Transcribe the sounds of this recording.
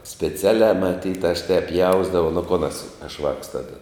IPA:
sʲpʲɛˈt͡sʲæːlʲæː mɐˈtʲiːt ɐʃ tʲɛːp ˈjɛʊzdɐʋɐʊ nʊ koːn ɐs ɐʃ ʋɑːks ˈtɑːdɐ

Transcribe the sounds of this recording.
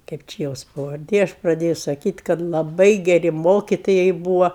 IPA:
ˈkɐɪp t͡ʃʲɪ ˈjoːs pɐʋɐrʲˈdʲeː ˈɐʃ prɐˈdʲeːjʊ sɐˈkʲiːtʲ kɐt lˠɐˈbɐɪ ɡʲɛˈrʲɪ ˈmoːkʲɪtoːjɛɪ ˈbuːʋɐ

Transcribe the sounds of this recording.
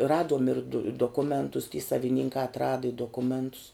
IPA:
ˈrɑːduɔm ɪr dʊ doːˈkʊmʲɛntʊs tʲiː sɐʋʲɪˈnʲɪŋkɑː ɐtˈrɑːdɐ ɪ doːˈkʊmʲɛntʊs

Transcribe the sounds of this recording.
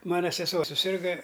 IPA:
ˈmɑːnɐ sʲɛˈsuɔ sʊˈsʲɪrɡɐ

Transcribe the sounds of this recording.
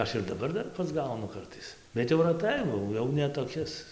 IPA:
ˈɐʃ ɪr dɐˈbɐr ˈdɐr pɐzˈɡɐʊnʊ ˈkɐrtɐɪs bʲɛt jɛʊ rɐˈtɐɪ ˈbɐ ɐʊ ˈjɛʊ nʲɛ toːˈkʲɪs

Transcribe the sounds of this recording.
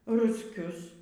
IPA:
rʊsʲˈkʲʊs

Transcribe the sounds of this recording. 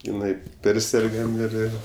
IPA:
ɪˈnɐɪ ˈpʲɛrʲsʲɛrɡɐm ɪr ˈɪr

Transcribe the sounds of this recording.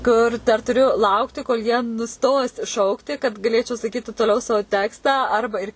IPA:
ˈkʊr ˈdɐr tʊˈrʲʊ ˈlˠɐʊktʲɪ koːlˠ jiɛ nʊˈstoːs ˈʃɐʊktʲɪ kɐt ɡɐˈlʲeːt͡ʃʲɛʊ sɐkʲiːtʲɪ toːˈlʲɛʊ ˈsɐoː ˈtʲæːkstɑː ˈɐrbɐ ɪr

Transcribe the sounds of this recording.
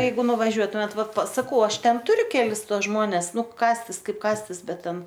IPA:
ˈjɛɪɡʊ nʊʋɐˈʒʲuɔtʊmʲeːt ˈʋɐt pɐs sɐkɐʊ ˈɐʃ ˈtʲɛn ˈtʊrʲʊ ˈkʲæːlʲɪs ˈtuɔs ˈʒmoːnʲɛs ˈnʊ kɑːsʲtʲɪs ˈkɐɪp ˈkɑːsʲtʲɪs ˈbʲɛt ˈtʲɛn

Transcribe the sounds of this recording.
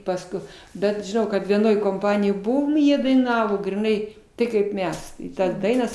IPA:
pɐsˈkʊɪ bʲɛt ʒʲɪˈnɐʊ kɐt ʋʲiɛˈnoːj koːmˈpɑːnʲɪjoːj ˈbʊʋoːm ɪ ˈjiɛ dɐɪˈnɑːʋoː ɡrʲɪˈnɐɪ ˈtɐɪ kɐɪp ˈmʲɛs ɪ ˈtɐs ˈdɐɪnɐs

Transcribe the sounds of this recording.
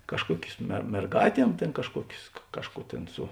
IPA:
kɐʃˈkuɔkʲʊs mʲɛ mʲɛrˈɡɑːtʲiɛm ˈtʲeːn kɐʃˈkuɔkʲʊs ˈkɑːʃˌkuː ˈtʲeːn ˈsʊ

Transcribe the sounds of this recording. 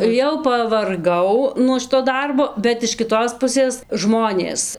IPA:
jɛʊ pɐʋɐrˈɡɐʊ nuɔ ˈʃʲɪtoː ˈdɐrboː bʲɛt ɪʃ kʲɪˈtoːs ˈpʊsʲeːs ˈʒmoːnʲeːs

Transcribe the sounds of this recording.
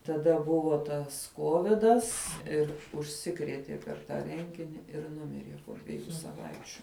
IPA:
tɐˈdɐ ˈbʊʋoː ˈtɐs ˈkoːʋʲɪdɐs ˈɪr ʊʃʲˈsʲɪkrʲiɛtʲiɛ pʲɛr ˈtɑː ˈrʲɛŋʲɡʲɪnʲɪ ɪr ˈnʊmʲɪrʲiɛ poː dʲʋʲɛˈjuː sɐˈʋɐɪt͡ʃʲʊ

